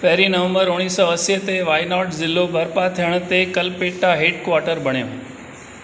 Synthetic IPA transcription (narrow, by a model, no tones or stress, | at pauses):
pɐɦɪɾinəʋə̃mbəɾʊɽ̃iːsɔəset̪eʋaːjnɔːʈzɪlːobʱɐɾpat̪ʰijəɽ̃̆t̪ekɐlpeːʈːaɦeːʈkʋaːɾʈəɾbʱɐɽ̃jõ̰ː